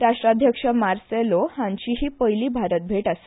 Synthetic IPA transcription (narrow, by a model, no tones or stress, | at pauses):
ɾaʂʈɾad̪ʱjəkʂəmaɾselohãɲt͡ɕiːɦiːpəjliːbʱaɾət̪̚bʱeʈase̥